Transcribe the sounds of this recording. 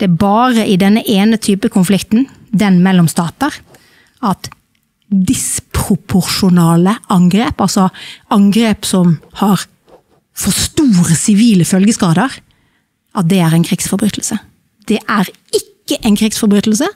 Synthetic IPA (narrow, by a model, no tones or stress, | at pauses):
d̪̥ɛæbɑːɾəʔɪd̪ɛnːəʔeːnət̪ʰyːpəkʰʊnflɪkt̪n̩ | d̪ɛnmɛlːɔmst̪ɑːt̪əʁ | ɑt̪ | d̪ɪspʰɾʊpʰʊʁʂʊnɑːləɑŋɡɾeːpɑlsɔɑŋɡɾeːpsɔmhɑɾ | fɔst̪uːɾəsɪʋiːləfœlɡəskɑːd̪əɾ | ʔɑt̪̚d̪ɛæʁɛɪnkʰɾiːɡsfɔɾbɾyːt̪ʰl̩sə | d̪̥ɛʔæɾ | ɪkːəʔɛɪnkʰɾiːɡsfɔɾbʁyːt̪lsə